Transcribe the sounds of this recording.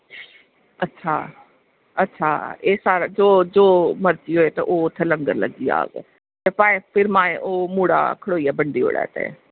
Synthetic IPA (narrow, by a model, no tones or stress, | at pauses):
ɐtːʃʰaː | ɐtːʃʰaːeːsaːɾad͡ʒoːd͡ʒoːməɾt͡ʃioːet̪ɐʔoːt̪ʰːelə̃ŋɡəɾləɡija̰ːɡḛ | t̪epãːẽpʰɪɾmaːẽʔoːmuːɽa̰kʰəɽoːiaːbəɳɖio̰ːɽa̰ːt̪ḛ